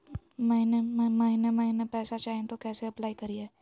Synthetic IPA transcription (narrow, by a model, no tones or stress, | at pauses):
mɐɦinemmɐɦinemɐɦinepɛːsat͡ʃaːɦẽt̪okɛːseɐplaːikɐɾieː